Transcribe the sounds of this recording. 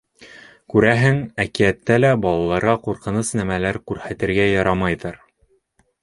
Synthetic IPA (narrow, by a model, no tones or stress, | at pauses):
kʉɾæɦɘŋækiæt̪ːælæbɑlˠɑlˠɑɾʁɑquɾqɤ̆nɤsnæmælæɾkʉɾhæt̪ɘ̆ɾɡæjɑɾɑmɑjðɤɾ